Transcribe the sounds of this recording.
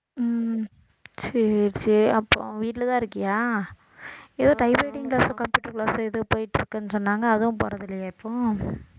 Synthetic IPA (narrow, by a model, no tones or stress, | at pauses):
m | sɛɾt͡ʃiɐpːo̰ːʋiːʈːlɐt̪ãːɪɾɯkːɯjaː | ɛðoːʈɐɪbeːʈɪŋklaːsʊ̃kɐmpjuːʈːɐɾklaːsɐ̃ɪðɯpoːjɪʈːɪɾɯkːɯnːɯsɔnːaːŋɡɐːðɐʊ̃poːɾɐðɪlːɐjɐɪpːõː